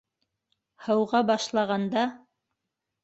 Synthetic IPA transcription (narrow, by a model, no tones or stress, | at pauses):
hɤ̆wʁɑbɑʃlˠɑʁɑnd̪ɑ